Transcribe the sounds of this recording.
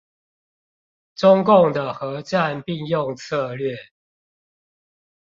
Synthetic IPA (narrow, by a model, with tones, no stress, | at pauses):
ʈ͡ʂʊ˦ŋkʊ˥˨ŋd̪ə˨xɤ˨˦ʈ͡ʂa˥˨npi˥˨ŋjʊ˥˨ŋt͡sʰɤ˥˧˨lɥɛ˥˨